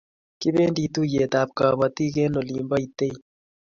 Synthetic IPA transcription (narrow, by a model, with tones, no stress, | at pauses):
kɪ˦be˦ndi˨t̪u˦je˨t̪a˨p̚ka˨ba˨t̪i˦ke˦no˨liː˨mba˦i˨t̪e˦i˨